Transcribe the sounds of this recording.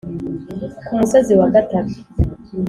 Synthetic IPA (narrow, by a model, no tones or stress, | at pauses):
umusoziwaɡataβu̥